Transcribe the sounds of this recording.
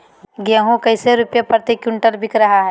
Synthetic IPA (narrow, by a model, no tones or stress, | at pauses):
ɡaːɦũkɐɪseɾʊpjapɾt̪ekjʊɳʈəɾbʱɪkɾɐɦaɦɛː